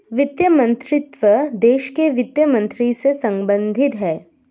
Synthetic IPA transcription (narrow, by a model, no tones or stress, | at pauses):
ʋɪt̪jəmə̃nt̪ɾɪt̪ʋəd̪eːʃkeʋɪt̪jəmə̃nt̪ɾisesɐ̃mbə̃nd̪ʱɪt̪ɦɛː